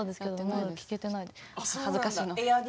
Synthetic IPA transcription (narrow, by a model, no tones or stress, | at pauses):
d̪esɨ̥ke̞d̪omomad̪akʲi̥ke̞t̪e̞naihazɨkaɕiːnoaɡʲ